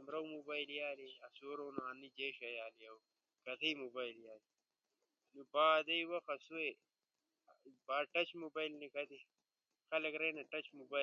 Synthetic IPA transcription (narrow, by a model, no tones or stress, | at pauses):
mɾɐwmubaːjljaːliɐsoɾonuanːid͡ʒeʃɐjaːlijɐw | kɐt̪ʰijmubaːjljaːli | nubaːd̪ɐjwɐxɐsuwe | baːʈɐt͡ʃmubajlnikɐt̪i | xɐlɐkɾɐjnɐʈɐt͡ɕmuba